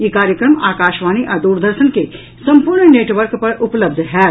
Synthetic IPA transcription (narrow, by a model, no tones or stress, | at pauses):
jekaːɾjəkɾəmaːkaːʃʋaːñiʔɐd̪uːɾd̪ʱəɾʃənke | sɐ̃mpʊɾɳneːʈʋəɾkpɐɾʊpləbd̪ʱɦɛː